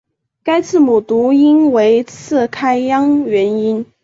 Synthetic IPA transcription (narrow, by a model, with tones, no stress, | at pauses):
ka˥ɪt͡sʰɹ̩˥˩mu˨˩t̪u˧˥i˥nwe˧˥ɪt͡sʰɹ̩˥˩kʰa˥ɪjɑ˥ŋɥɛ˧˥ni˥n